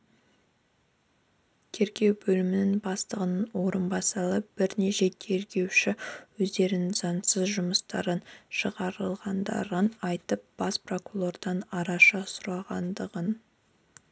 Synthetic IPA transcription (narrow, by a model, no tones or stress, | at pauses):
t̪ʲʰe̞ɾɡʲe̞wbɵlɪmɪnɪŋbɑst̪əʁənənwo̞ɾənbɑsɑlˠəp̚b̥ɪɾneʒe̞t̪ʲʰe̞ɾɡʲe̞wʃɪwɵzd̪e̞ɾɪnɪŋzɑnsəzʒʊməst̪ɑ̰ɾənʃəʁɑɾəlˠʁɑnd̪ɑ̰ɾənɑjt̪əp̚b̥ɑspro̞kulˠo̞rd̪ɑnɑɾɑʃɑsʊɾɑʁɑnd̪əʁən